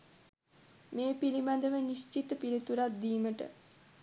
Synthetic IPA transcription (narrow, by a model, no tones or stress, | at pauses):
meːpilimad̪əʋənist͡ʃit̪əpilit̪uɾat̪̚d̪iːməʈə̰